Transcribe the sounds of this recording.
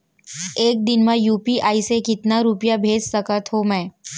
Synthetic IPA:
eːk̚d̪ɪnmãjuːpiʔaːisekɪt̪naɾʊpjabʱeːd͡ʒsɐkət̪ɦomɛ̃ː

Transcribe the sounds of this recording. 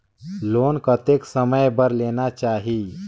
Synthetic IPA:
loːnkət̪eːksəməjbəɾleːnat͡ʃaːɦiː

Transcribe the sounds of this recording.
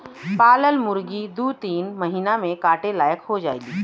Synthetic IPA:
paːləlmʊɾɡid̪uːt̪iːnməɦiːnamẽkaːʈelaːjəkɦod͡ʒa̰ːeːɡiː

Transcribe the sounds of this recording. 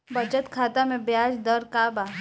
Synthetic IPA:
bɐd͡ʒət̪kʰaːt̪amẽbjaːd͡ʒd̪əɾkaːbaː

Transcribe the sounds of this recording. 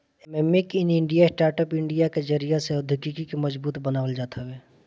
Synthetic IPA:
mɛmːikɪnɪ̃ɳɖijasʈaːɾʈəpɪ̃ɳɖijaked͡ʒəɾijaseʊd̪ʱɪkikikimɐzbuːt̪bɐnaːʋəld͡ʒaːt̪ʰaʋeː

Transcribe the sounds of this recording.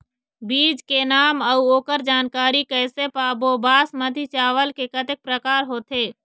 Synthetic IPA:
biːd͡ʒkenaːməuoːkəɾd͡ʒaːnkaːɾikɛːsepaːboːbaːsməd̪ʱit͡ʃaːʋəlkekət̪ɪk̚pɾəkaːɾɦoːt̪eː

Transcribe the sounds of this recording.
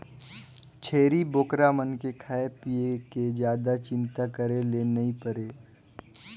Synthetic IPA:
t͡ʃʰeːɾiboːkɾamənkekʰaːepieked͡ʒjaːd̪at͡ʃɪ̃nt̪akəɾelenɐĩpəɾeː

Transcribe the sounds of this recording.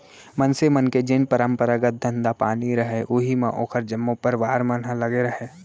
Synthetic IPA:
mɐnsemɐnked͡ʒɪnpəɾə̃mpəɾaɡət̪̚d̪ʱɐ̃nd̪apaːniɾɐɦeʔʊɦimã̰ʔo̰ːkʰəɾd͡ʒɐmːõpəɾʋaːɾmənɦãlɐɡeɾɐɦeː

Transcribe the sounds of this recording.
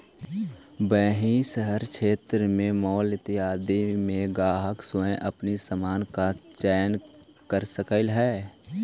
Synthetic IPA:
bɛːɦisəɦəɾkʰeːt̪ɾəmẽmɔːlɪt̪ɪaːd̪imẽɡaːɦəksoẽʔəpnisəmaːnkat͡ʃɛːn | kəɾsəkəlɦɛː

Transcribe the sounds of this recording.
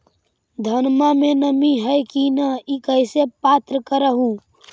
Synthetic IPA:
d̪ʱənmamenəmiɦəjkinəikəɪsepat̪ɾəkəɾəɦũ

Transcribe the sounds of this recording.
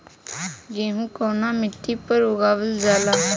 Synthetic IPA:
ɡeːɦũːkoːnaːmɪt̪ːiːpəɾʊɡaːʋəld͡ʒaːlaː

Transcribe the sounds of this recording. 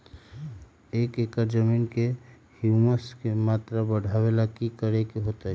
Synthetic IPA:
eːkeːkəɾd͡ʒəmiːnke | hjuməskemaːt̪ɾabəɽ̤ʱaːwelakikəɾekeɦoːt̪aɛ

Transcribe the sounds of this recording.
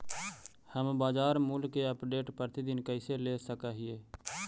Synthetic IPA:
həmbaːd͡ʒaːɾmʊlkeəpɖeːʈpəɾt̪id̪ɪnkəɪseleːsəkaːɦɪeː

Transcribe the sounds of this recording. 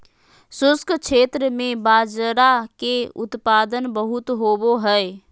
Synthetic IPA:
sʊskʰkt͡ʃʰeːt̪ɾəmẽbad͡ʒɾakeʊt̪paːd̪ənbəɦʊt̪ɦoboɦɛe

